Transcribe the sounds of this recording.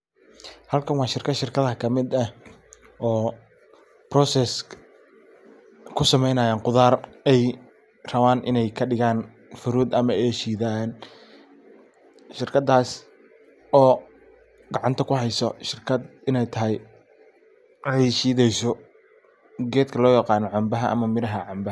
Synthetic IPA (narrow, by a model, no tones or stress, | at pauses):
hɐlkʰɐnwɑːʃɪrkʰɐʃɪrkʰɐðhɐkʰɐmɪd̪ɐh | ɔː | brɔːsɛs | kʰʊsɐmɛjnaːjaːŋqʊðaːrɛj | rɐβaːnʔɪnɛjkʰɐɖɪɣaːn | fʊɾuːd̪ɐmɐɛːʃiːðan | ʃɪrkʰɐd̪aːs | ɔː | ɡɑʕɑnt̪ʰɐkʰʊɦɛjsɔʃɪrkʰɐd̪ɪnɛjt̪ʰɐɦɛj | ʕɛʃiːðɛjsɔ | ɡɛːd̪kʰɐlɔːjɑqɑːnɔʕɑmbɐɦɐʔɐ̰mɐmɪɾɐɦɐʕɑmbɐ